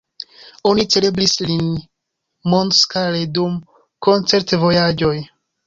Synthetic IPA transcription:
o̞nit͡se̞le̞blislin | monskaledum | ko̞nt͡se̞ɾtvo̞jad͡ʒo̞j

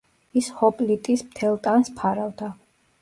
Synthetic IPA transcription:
ishɔpʼlit̪ʼismt̪ʰɛlˠt̪ʼanspʰaɾavd̪a

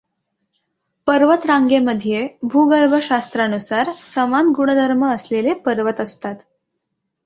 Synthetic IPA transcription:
pəɾʋət̪ɾaŋɡeməd̪ʱijebʱuɡəɾbʱəɕast̪ɾanusaɾsəmanɡuɽəd̪ʱəɾməːslelepəɾʋət̪əst̪at̪

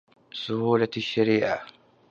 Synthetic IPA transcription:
sʊhuːlaʃːaɾiːʔa

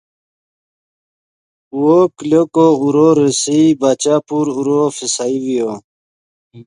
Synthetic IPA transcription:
uokilokouɾoɾisibat͡ɕapuɾuɾofisaiwijo

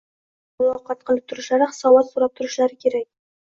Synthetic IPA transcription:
ʊlˠɑqʰɑt̪̚qʰəlˠəp̚t̪ʰʊɾʊ̆ʃlˠɑɾɨχsɑwɑt̪suɾɑp̚t̪ʰʊɾʊʃlˠɑɾɪkʲʰeɾak̚ʲ

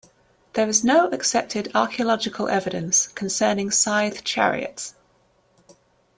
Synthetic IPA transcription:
ðəɹɪznəʊʔəksɛp̚tʰɪdɑ̰ˑkʰiəlɒd͡ʒɪkʰəlʔɛ̰vɪɾə̃nskʰə̃nsɜːnɪ̃ŋsaɪð̥t͡ʃʰa̰ɹḭə̰ts

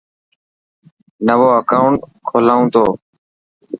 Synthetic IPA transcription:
nəʋoːəkaːʊɳʈkʰoːlaːũːt̪oː

